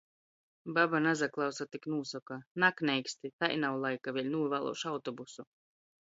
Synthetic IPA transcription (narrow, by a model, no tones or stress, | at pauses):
babanazaklˠawsat̪iknuːsɔkanaknʲɛjkst̪it̪ajnawlˠajkavʲilʲnuːvalˠɔ̰wʃawt̪ɔbusu